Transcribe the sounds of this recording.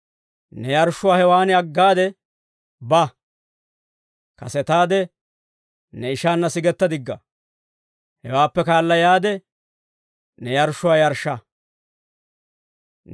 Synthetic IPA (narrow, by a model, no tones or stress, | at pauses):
nɛjɐɾʃːʊwaːhɛwaːnɪɐɡːaːd̪ɛ | bɐ | kɐ̰sɛt̪aːd̪ɛ | nɛɪʃaːnːɐsɪɡɛt̪ːɐd̪ɪɡːɐ | hɛwaːpːɛkaːlːɐjaːd̪ɛ | nɛjɐɾʃʊwaːjɐɾʃːɐ